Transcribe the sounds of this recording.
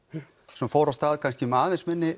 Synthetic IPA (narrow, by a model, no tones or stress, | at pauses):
sɛmfoːɾast̪aːðkʰãnscimaːðɪnsmɪnːɪ